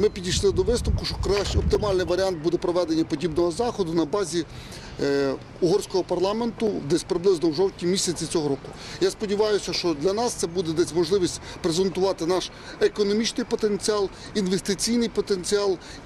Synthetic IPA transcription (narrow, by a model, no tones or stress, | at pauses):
mɪpʲidʲijʃlˠɪd̪ɔʋɪst̪ʊwkʊʃt͡ʃɔkɾaʃɔp̚t̪ɪmɑlʲnɪjʋɐɾʲiɑnt̪̚bud̪ɛpɾɔʋɛd̪enʲːɐpɔdʲibnɔɦɔzɑxɔd̪ʊnɐbɑzʲi | uɦɔrsʲkɔɦɔpɐrlˠɑme̞nt̪ʊd̪ɛsʲpɾɪblˠɪznɔwʒɔwtʲnʲimʲisʲɐt͡sʲit͡sʲɔɦɔɾɔkʊ | jaspɔdʲiʋɑjʊsʲɐʃt͡ʃɔd̪lʲɐnɑst̪sɛbud̪ɛd̪ɛsʲmɔʒlˠɪʋʲisʲtʲpɾezent̪ʊʋɑt̪ɪnɑʃ | ekɔnɔmʲit͡ʃnɪjpɔt̪ent͡sʲiɑlˠ | inʋest̪ɪt͡sʲijnɪjpɔt̪ent͡sʲiɑlˠ